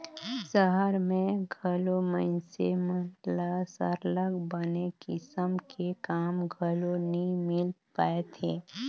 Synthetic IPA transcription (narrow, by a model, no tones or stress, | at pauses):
səɦəɾmẽɡʱəlomənsemət̪lasə̰ɾləɡbənekɪsəmkekaːmɡʱəlonəɦĩmɪlpaet̪ʰeː